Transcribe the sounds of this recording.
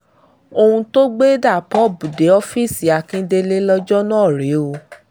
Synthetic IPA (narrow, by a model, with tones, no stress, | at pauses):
o˧hũ˧to˦ɡ͡be˦da˦˨pɔ˦˨bu˨de˨˦ɔ˧˦fi˦˨si˨˦a˨˧˨kĩ˧˦de˧le˦lɔ˧d͡ʒɔ˦nãː˦˨ɾe˨˦o˧